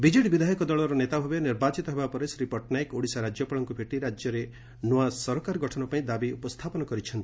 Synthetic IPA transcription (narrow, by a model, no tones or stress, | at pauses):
bid͡ʒeʈbid̪ʱajɔkɔd̪ɔɭɔɾɔnet̪abʱɔbjɔniɾbat͡ʃit̪ɔɦebapɔɾesɾipɔɾʈnajkoɽisaɾad͡ʒjɔpaɭɔŋkubʰʱeʈiɾad͡ʒjɔɾe | nuasɔɾɔkaɾɔɡɔʈʰɔnɔpaĩd̪abiupɔst̪ʰapɔnɔkɔɾit͡ʃʰɔnt̪i̥